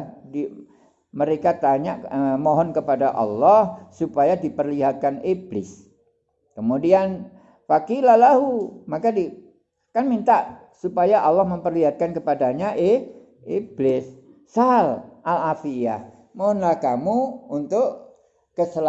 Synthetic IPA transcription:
di | məɾekat̪aɲaʔəmoɦɔnkəpadaʔɑ̰lːɔhsupajadipərliɦat̪̚kaniblɪs | kəmudian | fakilahlaɦumakadi | kanmint̪aʔ | supajaʔɑlːɔhməmpərliɦat̪̚kankəpadaɲaʔeh | iblɪsː | alʔalafiah | moɦɔnlahkamuunt̪ʊʔ | kəsəl

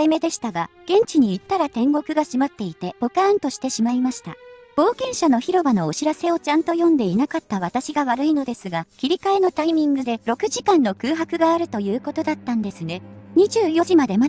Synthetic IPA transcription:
ime̞d̪e̞ɕi̥t̪aɡaɡ̥ẽ̞ɲ̟t͡ɕiɲ̟iːt̪ːaɾat̪ẽ̞ŋɡo̞kɯ̟ɡaɕimat̪ːe̞it̪e̞bo̞kãːnt̪o̞ɕi̥t̪e̞ɕimaimaɕi̥t̪a̰ | b̥o̞ːkẽ̞ɰ̃ɕano̞çiɾo̞bano̞ːɕiɾase̞o̞t͡ɕãnt̪o̞jõ̞nd̪e̞inakat̪ːaβ̞at̪aɕiɡaβaɾɯ̟ino̞d̪e̞sɨɡakʲiɾʲikaeno̞t̪aimʲĩŋɡɯ̟d̪e̞ɾo̞kɯ̟ʑikãnːo̞kɯ̟ːɦakɯ̟ɡaːɾɯ̟t̪o̞jɯ̟ːko̞t̪o̞d̪at̪ːãnd̪e̞sɨne̞ɲ̟iʑɨːjo̞ʑimad̪e̞ma

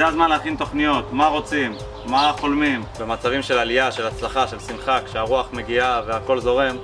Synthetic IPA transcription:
zeazmanleaχint̪o̞χnijo̞t̪maʁo̞t͡simː | aχo̞lmimbe̞mat͡savimʃe̞laliaʃe̞lat͡slaχaʃe̞lsinχakʃeaʁuaχme̞ɡiave̞ako̞lzo̞ʁe̞m

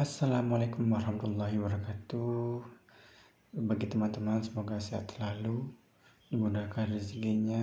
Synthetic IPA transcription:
asːalamalaekumaɾhamat̪ualːaɦibəɾakat̪u | baɡit̪əmant̪əmansəmoɡasia̰t̪lalu | dimudahkanrisɡiɲa

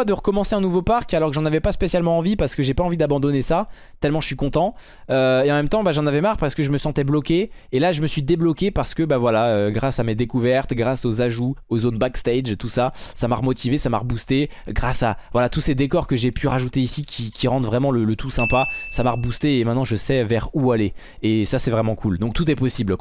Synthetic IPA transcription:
ad̪əʁəkɔmɑ̃seɛ̃nuvopaʁkalɔʁkəʒɑ̃navɛpaspesjalmɑ̃ɑ̃vipaʁsə̥kəʒepaɑ̃vid̪abɑ̃d̪ɔnesa | t̪ɛlmɑ̃ʒə̥sɥikɔ̃t̪ɑ̃ | øeɑ̃mɛmt̪ɑ̃baʒɑ̃navɛmaʁpaʁsə̥kəʒəməsɑ̃t̪ɛblɔkʲeelaʒəməsɥid̪eblɔkʲepaʁsə̥kəbavwalaøɡʁasamed̪ekuvɛʁt̪ɡʁasozaʒuozonbakst̪ɛjd͡ʒt̪usasamaʁəmɔt̪ivesamaʁəbust̪eɡʁasavwalat̪used̪ekɔʁkəʒepʰyʁaʒut̪eisikʲʰikʲiʁɑ̃d̪vʁɛmɑ̃lələt̪ʰusɛ̃pasamaʁəbust̪eːmɛt̪nɑ̃ʒəsɛvɛʁualeː | sasɛvʁɛmɑ̃kʰuld̪ɔ̃k̚t̪ut̪ɛpɔsibl

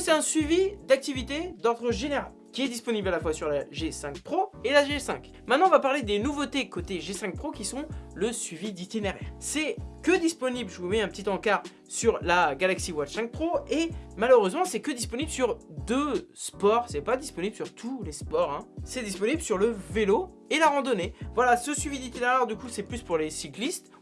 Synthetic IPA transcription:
sɛt̪ɛ̃sɥivid̪ak̚t̪ivit̪ed̪ɔʁd̪ʁəʒeneʁal | kʲiɛd̪ispɔniblalafwasyʁlaʒesɛ̃k̚pχoelaʒesɛ̃k | mɛ̃t̪nɑ̃ɔ̃vapaʁled̪enuvot̪ekot̪eʒesɛ̃k̚pχokʲisɔ̃ləsɥivid̪it̪ineʁɛʁsɛkəd̪ispɔniblʒəvumɛɛ̃pət̪it̪ɑ̃kaʁ | syʁlaɡalaksiwat̪sɛ̃k̚pχoemaløʁøzmɑ̃sɛkəd̪ispɔniblsyʁd̪øspɔʁsɛpad̪ispɔniblsyʁt̪ʰulespɔʁɛ̃sɛd̪ispɔniblsyʁləvelo | elaʁɑ̃d̪ɔnevwalasəsɥivid̪it̪ineʁɛʁd̪ykusɛplyspuʁlesiklist̪

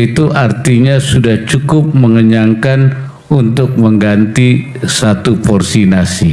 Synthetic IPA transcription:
it̪uʔart̪iɲasudaht͡ʃukʊp̚məŋəɲaŋkan | unt̪ʊk̚məŋɡant̪i | sat̪upɔrsinasi

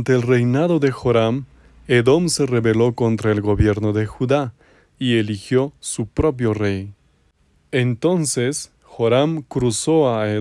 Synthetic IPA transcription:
nt̪eːlrejnaðoðexoɾam | eðomsereβelo̞kont̪ɾaelɡoβjeɾnoðexuða | ielixjosupɾop̬jo̞rej | ent̪o̞nses | xoɾamkɾusoae

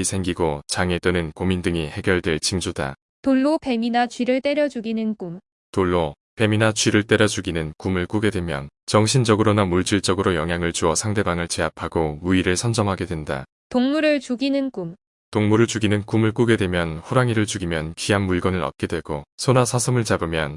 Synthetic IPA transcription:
isʰe̞ŋɡiɡot͡ɕaŋet͈ɯnɯnkomindɯŋihe̞ɡjʌɭdwe̞ɭt͡ɕiŋd͡ʑuda̰ | toɭːope̞minat͡ɕɥiɾɯɭt͈e̞ɾjʌd͡ʑuɡinɯnkum | toɭːo | pe̞minat͡ɕɥiɾɯɭt͈e̞ɾjʌd͡ʑuɡinɯnkumɯɭk͈uɡe̞dwe̞mjʌnt͡ɕʌŋɕʰind͡ʑʌɡɯɾonamuɭt͡ɕ͈iɭt͡ɕ͈ʌɡɯɾojʌŋɦjaŋɯɭt͡ɕuʌsʰaŋde̞baŋɯɭt͡ɕeapʰaɡomuiɾɯɭsʰʌnd͡ʑʌmɦaɡe̞dwe̞nda̰ | toŋmuɾɯɭt͡ɕuɡinɯnkum | toŋmuɾɯɭt͡ɕuɡinɯnkumɯɭk͈uɡe̞dwe̞mjʌnɸoɾaŋiɾɯɭt͡ɕuɡimjʌnkiamːuɭɡʌnɯɾʌt̚k͈e̞dwe̞ɡosʰonasʰasʰʌmɯɭt͡ɕabɯmjʌn

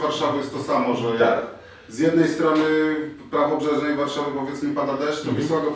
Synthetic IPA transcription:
vaɾʂavɨjɛst̪ɔsamɔʐɛɔjaɾ | zʲjɛd̪nɛjst̪ɾɔnɘpɾavɔbʐɛʐnɛjvaɾʂavɘpɔvjɛt̪smipad̪ad̪ɛʂtt̪ɔpʲiswaɡɔ

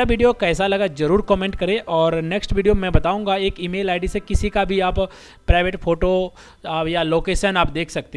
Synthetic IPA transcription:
aʋiːɖijokɛːsalɐɡazɐɾuːɾkɔːmẽːɳʈ̚kɐɾẽʔɔːɾneːksʈʋiːɖijomɛ̃bɐt̪aːũːŋɡaeːkimeːlaːɪɖisekɪsikabʱiaːp | pɾaːɪʋeːʈpʰoːʈo | jaloːkeːʃənaːp̚d̪eːkʰsɐk̚t̪e

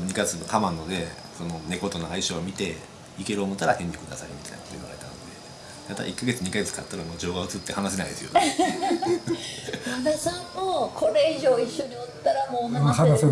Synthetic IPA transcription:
ɲ̟ikaɡet͡sɨnokʰamãnːod̪e̞ | so̞no̞ne̞ko̞t̪o̞noaiɕoːmʲit̪e̞ | ike̞ɾɯomot̪ːaɾahẽ̞ɲ̟di̥kɯd̪a̰saɯ̰mʲit̪a̰j̰nako̥t̪oḭβa̰ɾe̞̰t̪a̰no̞d̰̪e̞ | mat̪a̰ʔikːaɡe̞t͡sɨɲ̟ikaɡe̞t͡sɨ̥kat̪ːaɾamo̞ːd͡ʑo̞ːɡaot͡sɨ̥ɯt̪ːe̞hanaɕe̞naḭd̪e̞sɨjot̪ | minasãmmoːkʰo̞ɾe̞iʑo̞ːiɕːo̞ɲ̟iot̪ːaɾamoːna

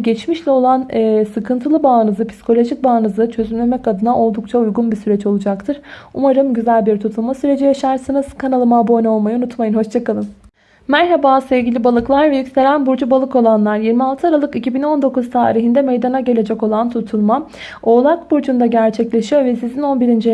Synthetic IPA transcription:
ɟɛt͡ʃmiʃlʲɛo̞lˠanːsɯkʰɯnt̪ʰɯlˠɯbaːnɯzɯpʰi̥si̥kʰo̞lʲo̞ʒic̚baːnɯzɯt͡ʃʰø̞zymlʲemɛcad̪ɯnaʔo̞lˠd̪uk̚t͡ʃʰaujɡunbisyɾɛt͡ʃo̞lˠud͡ʒakt̪ʰɯɾ̥umaɾɯmɟyzælʲbiɾt̪ʰut̪ʰulˠmasyɾe̞d͡ʒijaʃaɾsanɯz̥kʰanalˠɯmabonao̞lˠmajɯunut̪majɯnho̞ʃt͡ʃʰakalˠɯm | mæɾɦabaːsɛvɟilʲibalˠɯklˠaɾvɛjycse̞ɾʲænbuɾd͡ʒubalˠɯko̞lˠanlˠaɾjiɾmialˠt̪ʰɯaɾalˠɯkicʰibino̞nd̪o̞kuzt̪ʰaːɾiɦind̪ɛmejd̪anaɟe̞lʲe̞d͡ʒɛko̞lˠant̪ʰut̪ʰulˠma | o̞ːlˠakbuɾd͡ʒund̪aɟæɾt͡ʃʰɛclʲe̞ʃijo̞vɛsizino̞nbiɾind͡ʒi

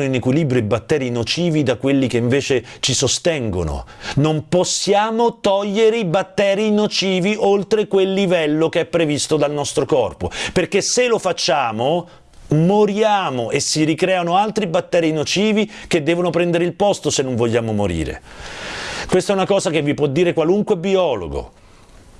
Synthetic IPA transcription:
oinekwilibɾjoibat̪ːɛːɾinot͡ʃiːvid̪akwelːikeiɱveːt͡ʃet͡ʃisost̪ɛŋɡo̰no̰nomposːjaːmot̪ɔʎːeɾeibat̪ːɛːɾinot͡ʃiːviʔolt̪ɾekwelːivɛlːokeɛpːɾevist̪od̪alnɔst̪ɾokɔrpoperkeselofat͡ʃːaːmo | moɾjaːmoʔesːiɾikɾɛːanoalt̪ɾibat̪ːɛːɾinot͡ʃiːvik̟ed̪ːɛːvonopɾɛnd̪eɾeilpɔst̪osenːõɱvoʎːaːmomoɾḭːɾḛ | kwest̪ɛunakɔːzakevːipwɔd̪ːiːɾekwaluŋkwebiɔːlo̰ɡo̰

